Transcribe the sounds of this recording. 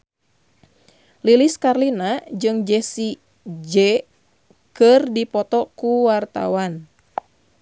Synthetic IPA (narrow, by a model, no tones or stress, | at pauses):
liliskarlinad͡ʒɨŋd͡ʒɛsi | d͡ʒɛ | kɨrdipɔt̪ɔkuwart̪a̰wan